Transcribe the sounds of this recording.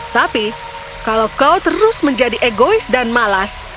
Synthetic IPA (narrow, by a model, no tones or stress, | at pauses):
t̪api | kalawkawt̪əɾʊsməɲd͡ʒadiʔeɡoɪsdanmalas